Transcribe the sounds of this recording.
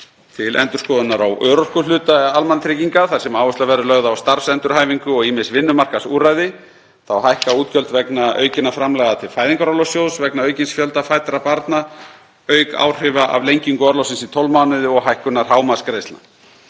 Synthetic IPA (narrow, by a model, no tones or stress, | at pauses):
t̪ʰɪlʔɛ̰nt̪ʏɾ̥skɔːðʏnaɾawœːɾɔr̥kʏlʏːt̪aɛalmanat̪ʰɾɪciŋkaθḁsɛmawvʏst̪avɛɾʏlœɣðaːwst̪aɾ̥fsɛnt̪ʏɾ̥ɦaːjviŋkʏɔɣimɪsvɪnːʏmar̥kasuːɾajðɪ | θawɦajhkauːt̪cœlt̪vɛknaœ̰ːɥcɪnːafɾamlɛɣðat̪ʰɪlfaːjðiŋkaɾawlɔsjowðsvɛknaœːɥcɪnsfjœlt̪afaːjt̪aɾapaɾt̪na | œːɥka̰ːwr̥ɪvaʔa̰vlejɲciŋkʏɔɾlɔwsɪnsit̪ʰɔwlmaːwnɪðʏɔɣɦajhkʏnaɾ̥ɦaːwmaskɾejst̪na